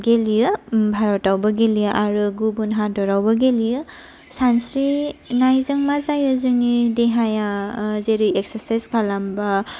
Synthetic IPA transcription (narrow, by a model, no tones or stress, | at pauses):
ɡelijɯbʱaɾɔtawbaɡelijɯʔaɾɯɡubunɦadɔɾawbaɡelijɯ | sansɾinajzɯŋmazajɯzɯnideɦajazeɾɯjeksaɾsajzkʰalamba